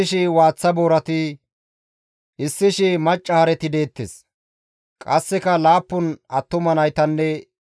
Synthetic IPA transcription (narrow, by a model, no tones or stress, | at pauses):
ɪʃɪwaːt͡sːɐboːɾɐt̪ɪ | ʔɪsːɪʃɪmɐt͡ʃʼːɐhɐɾɛt̪ɪd̪eːt̪ːes | kʼɐsːɛkɐlaːpːʊnɐt̪ːʊmɐnɐjt̪ɐnːɛ